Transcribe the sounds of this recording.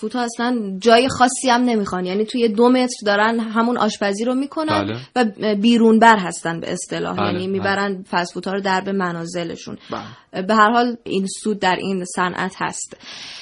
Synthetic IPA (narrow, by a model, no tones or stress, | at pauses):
fut̪ʰɒːæslænd͡ʒɒːje̞xɒːsːiæmne̞mixɒnjæːniːt̪ʰuje̞d̪ome̞t̪ɾd̪ɒːɾænɦæmunʔɒ̰ːʃpʰæziːɾomiːkʰo̞nænd̪væbiːɾunbæɾɦæst̪ænd̪bḛʔest̪e̞lɒ̰ːhjæ̰ːniːmiːbæɾænd̪fæsfuːt̪ʰɒːɾod̪æɾbe̞mænɒːze̞le̞̰ʃṵnbe̞ɦæɾhɒːlḭnsuːd̪̚ːæɾʔinsænʔæ̰t̪ʰhæ̰st̪